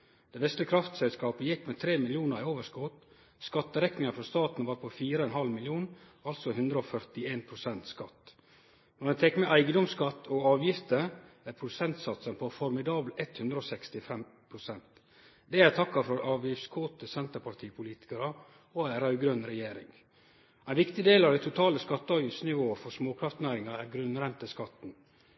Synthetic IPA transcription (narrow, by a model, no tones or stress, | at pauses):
d̪̥ɛːʋɛst̪ləkʰɾɑft̪sɛlskɑːpəjɪkːmɛt̪ʰɾeːmɪlɪuːnəɾɪoːʋəʂskɔt̪ | skɑt̪ːəɾɛknɪŋɑfɾɔst̪ɑːt̪n̩ɑʋɑːɾpʰɔfiːɾəɔɛnɦɑlmɪlɪuːnɑlt̪sɔhʉnd̪ɾəɔfœɾt̪ɪeːnpʰɾʊsɛnt̪skɑt̪ | nɔd̪ɛnt̪ʰɛkːmɛʔæɪɡəd̪ɔmskɑt̪ːɔɑːʋjɪft̪ə | æɾpʰɾʊsɛnt̪sɑt̪sənpʰɔfɔɾmɪd̪ɑːblɛt̪hʉnd̪ɾəɔsɛkst̪ɪfɛmpʰɾʊsɛnt̪ | d̪ɛæɾt̪ʰɑkːɑfɔɾʔɑːʋjɪftskʰoːt̪əsɛnt̪əɾpɑt̪ʰiːpʰʊliːt̪ɪ̥kɑɾə | ɔæɾɑʉɡɾœnɾɛjeːɾɪ̰ŋ | æɪnʋɪkt̪ɪd̪eːlɑʋd̪æɪt̪ʰʊt̪ʰɑːləskɑt̪ːəɑːʋjɪft̪snɪʋoːəfɔsmoːkʰɾɑft̪næːɾɪŋɑæɾɡɾʉnːɾɛnt̪ɪskɑt̪n̩